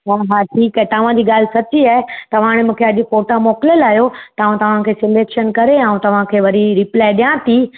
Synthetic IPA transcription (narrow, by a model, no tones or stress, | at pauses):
ɦaɦaːʈʰiːkɛt̪ɐʋ̤ãd͡ʑiːɠaːl̤ɪsɐt͡ɕiaːɦɪt̪ɐʋ̤ãːɽ̃ɪmũːkʰeɐʄʊfoːʈamɔːkɪljəlaːjot̪ɐaːũt̪ɐʋ̤ãkʰeːsɪleːkʃənkɐɾeaːũt̪ɐʋ̤ãkʰeːʋɐɾiɾɪplaːɪɗijãt̪iː